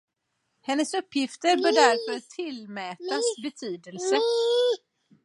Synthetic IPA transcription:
hɛnːəsɵpːjɪft̪əɾbœːɖæɾfœɾt̪ʰɪlmɛːt̪asbɛt̪ʰyːd̪əlsə

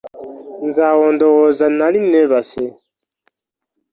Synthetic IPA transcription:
nzaɣɔndɔɣɔzanalinɛβasɛ

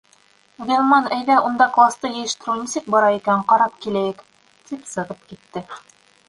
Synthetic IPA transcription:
ɡʲelˠmɑnæjðæʔund̪ɑklˠɑst̪ɤjɘ̆jɘ̆ʃt̪ɘ̆ɾɘnisɘk̚bɑɾɑikæɴqɑɾɑp̚kilæjɘk | t̪ipsɤ̆ʁɤp̚kit̪ːɘ

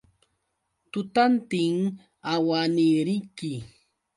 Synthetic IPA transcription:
t̪ʊt̪ant̪ɪŋ | awanɪɾɪjkɪ

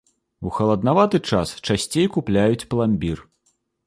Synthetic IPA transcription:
uxɐlˠɐd̪navat̪ɨt͡ʂast͡ʂasʲt͡sʲejkuplʲajut͡sʲplˠamʲbʲir

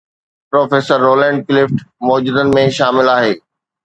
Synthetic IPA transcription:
pɾoːfeːsəɾːoːlɛ̃ːɳɖ̚klɪfʈmɔːd͡ʑud̪ənɪ̆mẽʃaːmɪlaːɦeː

